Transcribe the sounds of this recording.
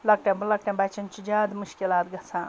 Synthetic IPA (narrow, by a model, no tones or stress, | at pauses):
lɐk̚ʈãbulɐk̚ʈẽbat͡ʃɐnt͡ʃʰid͡ʒaːd̪muʃkilaːt̪ɡɐt͡sʰãː